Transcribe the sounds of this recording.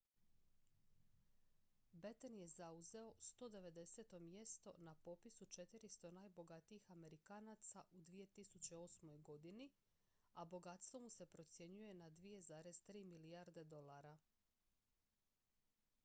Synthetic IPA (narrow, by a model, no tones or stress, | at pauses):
bet̪enje̞zauze̞o̞st̪o̞ːd̪e̞ʋe̞d̪e̞se̞t̪o̞mje̞st̪o̞napo̞pisut͡ʃe̞t̪iɾist̪o̞naːjbo̞ɡat̪iixame̞ɾikaːnat̪saʔud̪ʋije̞t̪isut͡ɕe̞o̞smo̞jɡo̞d̪ini | abo̞ɡat̪st̪vʋo̞muse̞pɾo̞t̪sje̞ɲuje̞nad̪ʋije̞zaːɾe̞z̥t̪ɾiːmilijaɾd̪e̞d̪o̞lˠaɾa